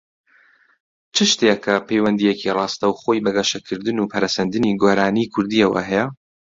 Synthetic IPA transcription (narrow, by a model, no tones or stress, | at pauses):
t͡ʃʰɨʃt̪ekʰɐpʰejwɐnd̪ijekʰirˤɑːst̪ɐwχojbɐɡɐʃɐkʰɨɾd̪ɨnupʰɐɾɐsɐnd̪ɨniɡoːɾaːnikʰʊɾd̪iɐwɐ̰ɦɛjɛ